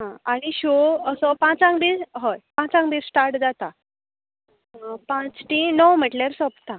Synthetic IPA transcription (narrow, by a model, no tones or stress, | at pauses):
ɦãaɽ̃iɕoəsɔpãt͡sãŋɡb̪iɾɦojpãt͡sãŋɡb̪iɾsʈaɾʈd͡zat̪a | pãt͡sʈinɔwm̤əʈleɾsɔpt̪a